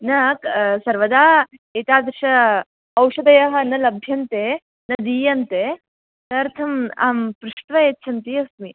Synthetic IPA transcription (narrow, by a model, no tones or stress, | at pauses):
nɐksɐɾʋɐd̪aːeːt̪aːd̪ɾʃɐ | ɐwʂɐd̪ɐjɐɦɐ̆nɐlɐbʱjɐnt̪eː | nɐd̪iːjɐnt̪eː | t̪ɐɾt̪ʰɐma̰ːmpɾuʂʈʋɐetːʃʰɐnt̪iɐsmi